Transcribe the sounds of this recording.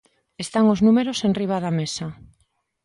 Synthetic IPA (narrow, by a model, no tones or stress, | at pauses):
est̪aŋoznũmeɾosenriβ̞aðamesa